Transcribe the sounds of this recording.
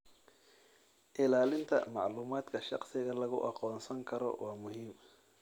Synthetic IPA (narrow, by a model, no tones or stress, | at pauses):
ʔɪlaːlɪnt̪ʰɐ̰mɑʕluːmaːd̪kʰɐʃɑqsɪɣɐlɐɣʊʔɑqɔːnsɐŋkʰɐɾɔ̰wʔɑːmʊɦiːm